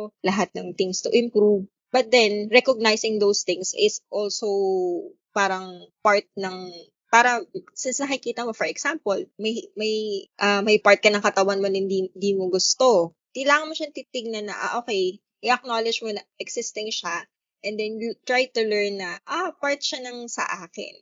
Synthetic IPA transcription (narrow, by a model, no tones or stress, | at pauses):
lɐɦat̪̚nɐŋt̪ɪŋst̪ʊʔɪ̃mpɾuv | bɐt̪̚d̪ɛnɹɛkoɡ̚najsɪŋd̪owst̪ɪŋsʔɪsʔolsow | paːɾɐŋpaɹt̪̚nɐŋ | paːɾɐsɪnsnɐkɪkiːt̪ɐmofɔɹɛɡ̥sampolmɐjmɐjʔɐmɐjpaɹt̪̚kɐnɐŋkɐt̪ɐwɐnmonɪnd̪ind̪iːmoɡʊst̪o | kɐjlaːŋɐnmoʃɐnɐt̪iːt̪ɪɡ̚nɐnːɐʔa̰ʔoːkɛj | ʔɪʔɐk̚nolɪd͡ʒmonɐʔɛɡsɪst̪ɪŋʃa | ʔɛ̃nd̪ɛnjut̪ɹajt̪ʊlɛɹnːɐʔapaɹt̪̚ʃanɐŋsɐ̰ʔaːkɪ̰n